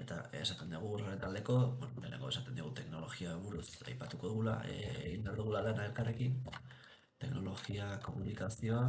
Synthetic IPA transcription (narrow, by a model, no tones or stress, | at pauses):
e̞t̪a̰esat̪e̞nd̪uɣ̞uoret̪ald̪e̞ko̞benole̞̰neŋɡo̞e̞sat̪e̞nd̪iɣ̞ut̪e̞kno̞lo̞ɣiaβuɾusa̰jpat̪uko̞ðuɣula̰eḛɣind̪eaɾðuɣulalanaelkare̞kin | t̪e̞kno̞lo̞ɣiako̞munikasio̞a